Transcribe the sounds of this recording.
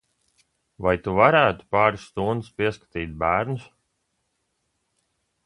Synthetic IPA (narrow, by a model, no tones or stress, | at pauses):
vajt̪uvaɾæːt̪u̥paːɾusːt̪und̪ɨspiɛskḁt̪iːt̪̚bæːɾnʊs